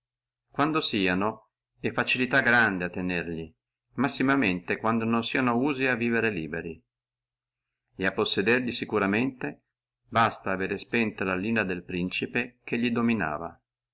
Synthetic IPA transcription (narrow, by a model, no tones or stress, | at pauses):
kwand̪osiːano | ɛfːat͡ʃilit̪aɡɾand̪eat̪ːenerʎi | masːimament̪ekwand̪ononsiːanouːziavːiːveɾeliːbeɾi | eapːosːed̪erʎisikuɾament̪e | bast̪aːveːɾespɛnt̪olaliːnad̪elpɾint͡ʃipekeʎːid̪omina̰ːva̰